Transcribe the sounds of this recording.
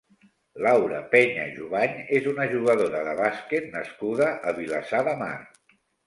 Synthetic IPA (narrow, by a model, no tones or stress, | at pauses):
lawɾəpɛɲə̰ʒuβaɲezunəʒuɣ̞əðoɾəðəβasket̪nəskuðəʔəβ̞ilasaðəma̰r